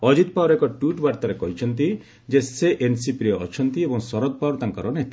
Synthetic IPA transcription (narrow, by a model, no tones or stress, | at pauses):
ɔd͡ʒit̪̚pawɾekɔʈuʈbaɾt̪aɾekɔɦit͡ʃʰɔnt̪̬i | d͡ʒeseʔensipɾiɔːt͡ʃʰɔnt̪iebɔŋsɔɾɔd̪̚pawɾɔt̪aŋkɔɾɔnet̪i̥